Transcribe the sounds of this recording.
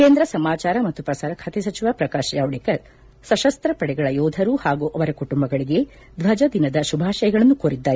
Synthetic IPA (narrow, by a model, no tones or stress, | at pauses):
keːnd̪ɾɐsɐmaːt͡ʃaːɾɐmɐt̪ːupɾɐsaːɾɐkʰɐt̪isɐt͡ʃiʋaːpɾɐkaːʃjaːʋɽikɐɾ | sɐʃɐst̪ɾɐpɐɽɛɡɐɭɐjɔːd̪ʱɐɾuhaːɡuːʔɐʋɐɾɐkuʈumbɐɡɐɭiɡe̞ | d̪ʋɐd͡ʒɐd̪inɐd̪ɐʃubʱaːʃɐjɐɡɐɭɐnːukoːɾid̪ːaːji